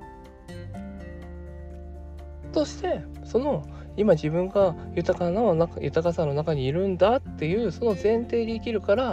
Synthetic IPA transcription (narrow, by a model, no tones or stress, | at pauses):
t̪o̞ɕi̥t̪e̞ | so̞no̞ | imaʑibɯ̟̃ŋɡajɯ̟t̪akananajʔɯ̟t̪akasãnːo̞nakaɲ̟iːɾɯ̟̃nd̪at̪ːe̞jɯ̟ːso̞no̞zẽ̞nt̪e̞ːd̪eːkʲiɾɯ̟kaɾa